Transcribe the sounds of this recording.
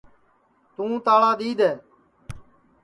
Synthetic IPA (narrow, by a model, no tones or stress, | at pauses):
t̪ũːt̪aːɭãːd̪iːd̪eː